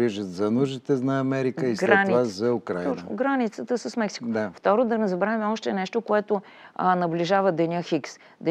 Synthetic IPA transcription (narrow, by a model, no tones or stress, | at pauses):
iʒət̪zɐnuʒit̪ɛnɐːmɛɾikəisɡɾɛatnivazɐukɾa̰j̪ɔnt͡ʃnʊ̰ɡɾanit̪sət̪əsəsmɛksi̥kod̪aft̪ɔɾod̪ɐnɛzɐbɾaɛmɛɔʃt̪ɛnɛʃt̪okoɛt̪o | nɐbliʒavəd̪ɛnʲəxiks | d̪ɛ